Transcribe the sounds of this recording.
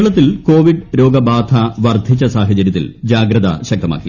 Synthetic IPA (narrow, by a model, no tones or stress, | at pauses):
ɭɐt̪ːilko̞ːʋiɖɾo̞ːɡɐbaːd̪ʰʱɐʋɐrd̪ʱit͡ɕːɐsaːɦɐt͡ɕɐɾjɐt̪ːḭld͡ʑaːɡɾɐðɐ̰ɕɐk̚t̪ɐma̰ːkːi